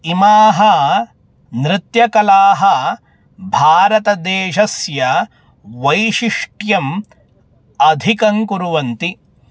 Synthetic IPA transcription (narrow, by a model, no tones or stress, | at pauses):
imaːɦɐ | nɾɪt̪jɐkɐlaːɦɐ | bʱaːɾɐt̪ɐd̪eːʃɐsjɐ | ʋɐjʃiʂʈjɐm | ɐd̪ʱikɐŋkuɾuʋɐnt̪i